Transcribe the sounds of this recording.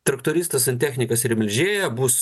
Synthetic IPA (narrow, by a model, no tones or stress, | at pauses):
t̪ɾɐkt̪oːɾʲiːst̪ɐsɐnt̪ʲæːxʲnʲɪkɐsɪɾmʲɪlʲʒʲeːjɛbuːs